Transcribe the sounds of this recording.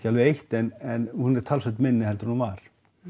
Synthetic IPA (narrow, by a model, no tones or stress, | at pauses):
calvɪejht̪ɛnɛnhunɛɾt̪ʰalsɛht̪mɪnːɪhɛlt̪ɪɾhunvaɾ̥